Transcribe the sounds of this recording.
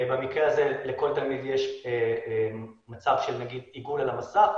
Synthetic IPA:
bamikʁeazeleko̞lt̪almid̪jeʃ | mat͡savʃelnaɡid̪iɡulalamasa

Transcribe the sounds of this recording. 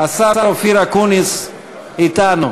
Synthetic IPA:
asaaɾofiɾakunis | it̪anʊ

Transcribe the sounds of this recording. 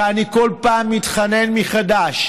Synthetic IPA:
aniko̞lpaːmːit̪χane̞nmiχadaʃ

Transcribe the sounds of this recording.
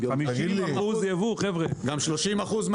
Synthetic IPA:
miʃimauzjevuχɛvʁeɡamʃloʃimaχuzm

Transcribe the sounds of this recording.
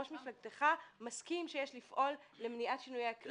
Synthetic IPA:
oʃmiflaɡt̪eχamaskimʃejeʃlifʔo̞lːe̞mniʔatʃinujeakl

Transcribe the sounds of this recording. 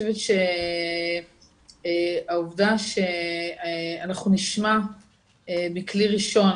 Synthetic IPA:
evetʃe | auvdaʃe̞ | anaχnuniʃma | ebekliʁiʃo̞n

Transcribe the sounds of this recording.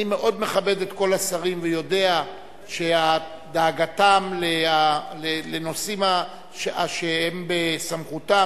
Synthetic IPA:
ime̞ʔo̞d̪me̞χabe̞d̪e̞t̪ko̞lasaʁimvejo̞de̞a | ʃea | d̪aːɡatamlealeleno̞sima | ʃaʃeembesamχuta

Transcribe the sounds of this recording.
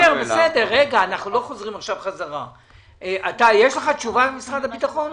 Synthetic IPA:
eʁbesed̪e̞ʁːeɡaːnaχnulo̞χo̞zʁimaχʃavχazaʁa | ʔat̪ajeʃleχat͡ʃuvabemisʁad̪abit̪aχo̞n

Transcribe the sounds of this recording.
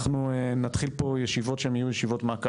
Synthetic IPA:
χnuenat̪χilpo̞jeʃivo̞tʃeemijujeʃivo̞t̪meak

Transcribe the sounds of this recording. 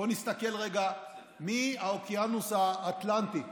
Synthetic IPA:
onist̪ake̞lʁeɡa | miaokeanusaːt̪lant̪ik

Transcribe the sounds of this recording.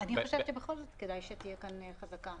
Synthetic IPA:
aniχoʃevtʃebeχo̞lzot̪kedajʃet̪ijekanχazaka

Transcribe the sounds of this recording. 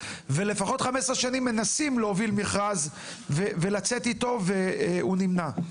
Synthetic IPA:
ve̞le̞faχo̞t̪χamesʁeʃanimːe̞nasimleovilmiχʁaz | veve̞lat͡set̪it̪o̞veunimna

